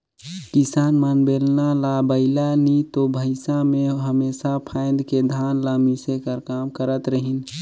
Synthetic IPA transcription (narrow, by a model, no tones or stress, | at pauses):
kisanmanbelnalabəɪlanit̪obʱəsameɦəmesapʰãɪ̃nd̪ked̪ʱanləmisekəɾkamkəɾət̪ɾəɦin